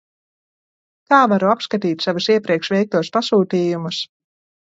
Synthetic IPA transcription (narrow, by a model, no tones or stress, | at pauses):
kaːvaɾuapskat̪iːt̪ʲsavusiɛpɾiɛkʃvɛjk̚t̪uɔspasuːt̪iːjumus